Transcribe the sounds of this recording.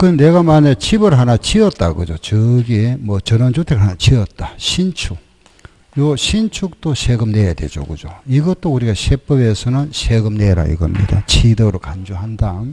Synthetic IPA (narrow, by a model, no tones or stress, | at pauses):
kɯne̞ɡamanet͡ɕʰibɯɾɦanat͡ɕʰiʌt̚t͈aɡɯd͡ʑot͡ɕɯɡimwʌt͡ɕʌnʌnd͡ʑotʰekɯɭɦanat͡ɕʰiʌt̚t͈aɕʰint͡ɕʰuk | joɕʰint͡ɕʰuk̚t͈oɕʰeɡɯmnejadwe̞̰d͡ʑo̰ɡɯd͡ʑo̰iɡʌtt͈ouɾiɡaɕʰep͈ʌbe̞sʰʌnɯnɕʰeɡɯmneɾa̰ḭɡʌmɲḭda̰t͡ɕʰidɯɾokand͡ʑoɦandan